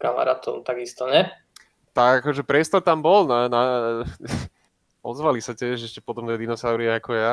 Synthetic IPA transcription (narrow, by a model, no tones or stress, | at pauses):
kama̰ɾa̰ːt̪ʰɔʊt̪aɡist̪ɔɲɛ | t̪aɡakɔʒɛpɾɛst̪ɔɾt̪ambɔlnana | ɔzʋalisatɛʒʃɛʃcɛpɔt̪ɔmt̪ɛd̪inɔsaʊɾiaakɔja